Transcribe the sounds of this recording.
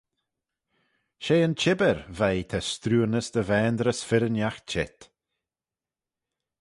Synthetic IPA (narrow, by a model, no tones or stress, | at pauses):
ʃeːənt͡ʃʰɪbəɾvajt̪ʰɛst̪ɾuːnəsd̪əvɛːnd̪ɾəsfɪɾənjax̚t͡ʃʰɪt̪